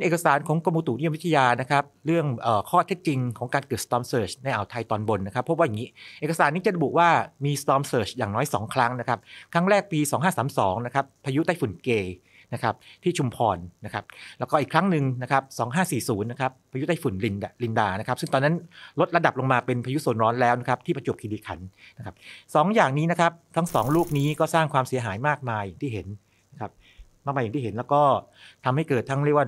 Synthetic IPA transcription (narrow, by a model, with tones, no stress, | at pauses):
nʔeː˨˩ka˧saː˨˩˦nkʰɔː˩˦ŋko˧mu˧t̪u˨˩˦ni˥jo˧mwi˥t̪ʰa˧jaː˧na˦˥kʰa˦˥p̚ɾɯ˥˩əŋʔəː˨˩kʰɔː˥˩t̪ʰe˦˥t̪̚t͡ɕi˧ŋkʰɔː˩˦ŋkaː˧nkɤː˨˩st̪ɔː˧msɤː˧˩t͡ɕna˧jʔa˨˩wt̪ʰa˧jt̪ɔː˧nbo˧nːa˦˥kʰa˦˥pʰːp̚wa˥˩ja˨˩ŋiː˦˥ʔʔeː˨˩ka˧saː˩˦nːiː˦˥t͡ɕa˨˩ɾa˧bu˨˩ʔ̚waː˥˩miː˧st̪ɔː˧msɤː˨˩t͡ɕjaː˨˩ŋnɔː˦˥jsɔ̰ː˩˦ŋkʰɾa˦˥ŋna˦˥kʰa˦˥p̚kʰɾa˦˥ŋɾɛː˥˩k̚piː˧sɔː˩˦ŋɦaː˥˩saː˩˦msɔː˩˦ŋna˦˥kʰa˦˥pʰːaː˧ju˦˥t̪a˥˩jfu˨˩˦nkeː˧ | na˦˥kʰa˦˥p̚t̪ʰiː˥˩t͡ɕʰu˧mpʰɔː˧nːa˦˥kʰa˦˥p̚lɛ˦˥kɔː˥˩ʔiː˨˩kʰɾa˦˥ŋnɯ˨ŋna˦˥kʰa˦˥p̚sɔː˩˦ŋɦaː˥˩siː˨˩suː˩˦nːa˦˥kʰa˦˥pʰaː˧ju˦˥t̪a˥˩jfu˨˩˦nli˧nali˧ndaː˧na˦˥kʰa˦˥p̚sɯ˥˩ŋt̪ɔ˧nːa˦˥nlo˦˥t̪̚ɾa˧da˨˩p̚lo˧ŋmaː˧pe˧npʰaː˧ju˦˥su˨˩˦nɾɔː˦˥nlɛː˦˥wna˦˥kʰa˦˥p̚t̪ʰiː˥˩pa˧t͡ɕu˨˩p̚kʰi˧liː˧kʰa̰˩˦nːa˦˥kʰa˦˥p̚sɔː˩˦ŋjaː˨˩ŋniː˦˥na˥kʰa˦˥p̚t̪ʰa˦˥ŋsɔː˩˦ŋluː˥˩k̚niː˦˥kɔː˥˩saː˥˩ŋkʰwaː˧msi˨˩˦ɐɦaː˩˦jmaː˥˩k̚maː˧ja˨˩ŋt̪iː˥˩ɦe˩˦n | na˦˥kʰa˦˥p̚ | maː˥˩ma˧ja˨˩ŋt̪iː˥˩e˩˦nlɛː˦˥wkɔː˥˩t̪ʰa˧mha˥˩jkɤː˨˩t̪ʰːa˦˥ŋɾi˥˩waː˥˩